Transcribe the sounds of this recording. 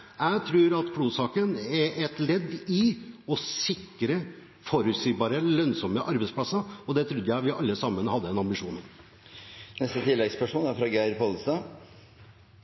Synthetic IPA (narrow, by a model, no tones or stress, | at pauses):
jæɪt̪ʰɾʉːɾɑt̪kʰluːsɑːkənɛʔɛt̪lɛd̪ːɪɔsɪkːɾə | foːɾʉt̪siːbɑːɾəlœnsɔmːəʔɑɾbɛɪspʰlɑsəɔd̪ɛt̪ʰɾʉd̪ːəjæɪʋɪʔɑlːəsɑmːənəhɑd̪ːəd̪ɛnɑmbɪʂuːnən | nɛst̪ət̪ʰɪlːɛɡspʰæʂuːnæɾfɾɑːɡæɪɾpʰɔlst̪ɑ